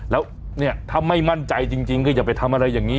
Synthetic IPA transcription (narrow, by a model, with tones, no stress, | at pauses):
lɛː˦˥w | ni˥˩ɐt̪ʰa˧˥˩mːa˥˩jma˥˩nt͡ɕa˧jt͡ɕi˧ŋt͡ɕi˧ŋkʰɯ˥˩ja˨˩pa˧jt̪ʰa˧mʔa˧ɾa˧jːaː˨˩ŋːiː˦˥